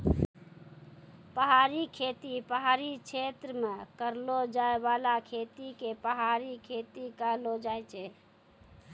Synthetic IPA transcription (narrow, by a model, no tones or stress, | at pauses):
pəɦaɾikʰet̪ipəɦaɾit͡ʃʰet̪ɾəmekəɾlod͡ʒaebalakʰet̪ikepəɦaɾikʰet̪ikəɾlod͡ʒajt͡ʃʰɛ